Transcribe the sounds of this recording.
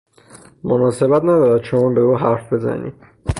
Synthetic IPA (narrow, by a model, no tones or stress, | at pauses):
monɒːse̞bæt̪ʰnæd̪ɒːɾæd̪̚t͡ʃʰomuːnbeuːɦæɾfbe̞zæ̰nḭ